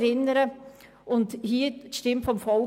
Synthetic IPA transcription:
ɾɪnəɾə | ʊnthiːʃtɪmtfɔmfɔl

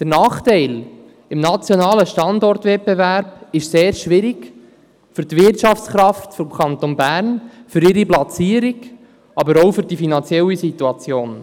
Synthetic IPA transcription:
d̪̥ənɑːχtɛɪl | ɪmnɑt͡sjonɑːləʃtɑndɔrt̪ʋɛp̚bevæɾb̥ɪʃseːɾʃʋɪɾɪɡ | fʏɾtʋɪrtʃɑft͡sχɾɑft̪fɔmkʰɑnt̪onbæːɾnfʏɾɪɾiplɑt͡siːəɾɪɡ | ɑbəɾoʊfʏɾdifinɑnt͡sjɛlisit̪uɑt͡sjoːn

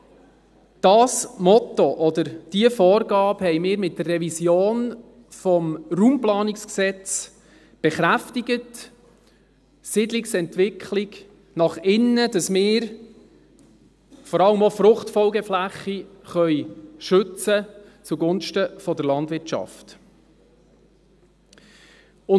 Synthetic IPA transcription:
d̥ɑsmɔtɔʔɔdəɾd̥iəfɔːɾɡɑːphɛjmɪːɾmɪt̚d̥ərːɛvisjoːn | fɔmruːmplɑːnɪksksɛt͡s | b̥ɛχɾæftɪɡət | sɪdlɪksɛntʋɪkʰχlɪɡ | nɑχɪnːədɑsmɪːɾ | fɔɾɑləmofɾʊχtfɔlɡɛflæχːiχœʏʃɵt͡sət͡suɡʊnʃtəfɔdəɾlɑndʋɪɾt͡ʃɑ̰ft | ʊ

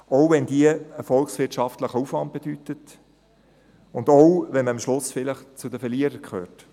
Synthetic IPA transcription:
ɔʊvɛndiəəfɔlksʋɪtʃɑftləχəufʋɑnt̚b̥ed̥ytət | ʊndɔwʋɛnməɑmʃlʊsfɪləχt͡sʊdəfɛɾliəɾəɾkʰχø̰ːrt

